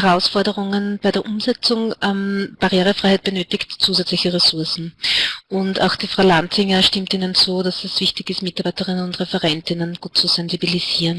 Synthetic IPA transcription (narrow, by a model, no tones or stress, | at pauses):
ɛʁaʊsfɔɐdəʁʊŋənb̥aɪɾeːɐʔʊmzɛt͡sʊŋʔɛmb̥aʁjeːʁəfʁ̥aɪhaɪt̚b̥ənøːtɪktt͡suːzɛt͡slɪçəʁɛsʊɐsn̩ʔʊnta̰ʊxd̥iːfʁaʊlantɪŋəʃtɪmtiːnənt͡suːdasɛsv̥ɪçtɪçɪstmɪtaɐbaɪtəʁɪnənʊntʁɛfɛʁɛntɪnənɡ̥uːt̚t͡suz̥ɛnzibiliz̥iːʁən